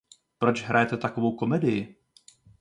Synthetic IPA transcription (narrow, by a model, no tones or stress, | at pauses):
pɾo̞t͡ʃɦɾajɛt̪ɛt̪akovo̞wko̞mɛdɪjɪ